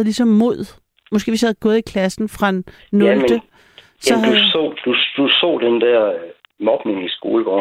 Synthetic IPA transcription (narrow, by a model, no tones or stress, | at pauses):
ð̩ˠlisɒ̽mːo̝ð̰ˠ | mɔ̽sɡ̥e̝̰ʋesjihæð̩ˠɡ̥ɔ̽ːð̩ˠikʰlæsn̩fʁɑ̈enː | md̥ə | sɒ̽dsɔ̰d̥ud̥usɔ̰ːd̥end̥æɐ̰ | mɒ̽b̥ne̝ŋisɡ̥o̝ːləɡ̥ɒ̰ː